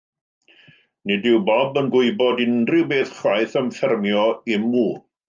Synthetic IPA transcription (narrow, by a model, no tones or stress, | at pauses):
nɪdɪwbɔbənɡʊɨbɔdɪndrɪwbeːθχwajθəmfɛrmjɔɪmːuːn